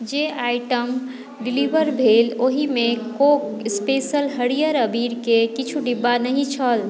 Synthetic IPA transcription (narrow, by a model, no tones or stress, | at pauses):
d͡ʒeaːɪʈəm | ɖɪliʋəɾbʱeːloɦimẽkokɪspeːsəlɦəɽijəɾəbiːɾkekɪt͡ʃʰuɖibːanəɦĩt͡ʃʰəl